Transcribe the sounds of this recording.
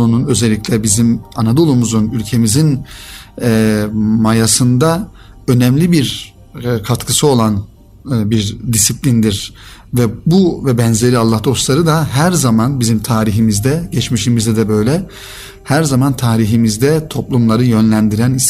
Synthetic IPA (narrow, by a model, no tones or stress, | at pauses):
ununø̞zelʲːicʲlʲɛbizimanad̪o̞lˠumuzunylʲcʰe̞mizin | ɛmajasɯnd̪a | ø̞nɛmlʲibiɾ | kʰat̪kʰɯsɯo̞lˠan | biɾd̪isiplʲind̪iɾvɛbuvɛbɛnze̞ɾialˠːahd̪o̞st̪lˠaɾɯd̪aɦæɾzamanbizimt̪ʰaːɾiɦimizd̪ɛɟɛt͡ʃmiʃimizd̪ɛd̪ɛbø̞jlʲɛ | hæɾzamant̪ʰaːɾiɦimizd̪ɛt̪ʰo̞plˠumlˠaɾɯjø̞nlʲænd̪iɾænis